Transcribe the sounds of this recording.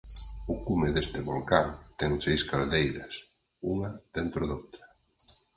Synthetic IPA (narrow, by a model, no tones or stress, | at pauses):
ʊkumɪðest̪ɪβolkaŋt̪ɛŋsejskaɾðejɾɐs | uŋɐð̥ent̪ɾʊðowt̪ɾɐ̥